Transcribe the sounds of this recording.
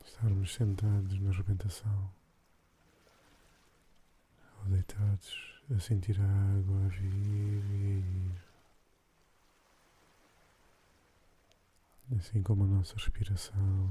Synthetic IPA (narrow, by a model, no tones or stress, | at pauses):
ʃt̪aɾmuʃsẽnt̪aðuʒnɐʁɨβẽnt̪ɐsɐ̃w̃ | awd̪ðejt̪ʰaðuʃɐsẽnt̪iɾɐaɣwɐaviɾiɐiɾ | ɐsĩkomuɐnɔsɐʁɨʃpiɾɐsɐ̃w̃